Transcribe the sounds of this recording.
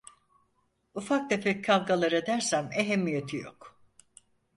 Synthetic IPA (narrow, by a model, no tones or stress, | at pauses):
ufak̚d̪efɛc̚ʲkːʰavɡalˠaɾed̪æɾsæmeɦemːijet̪ʰijo̞̰k